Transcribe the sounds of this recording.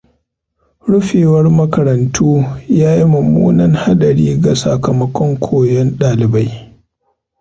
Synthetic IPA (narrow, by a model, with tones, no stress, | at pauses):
ɽʊ˦ɸeː˨wɐ˦rmɐ˦kɐ˨ɾɐ˨ntʰuː˦jaː˦ji˦mʊ˨mṵː˦nɐ˦ŋha˦ɗɐ˨ɽiː˦ɡa˨sɐ˨kɐ˨mɐ˦kʷɔ˦ŋkʷʰoː˨jɛ˦nɗaː˨lɪ˨ba˦j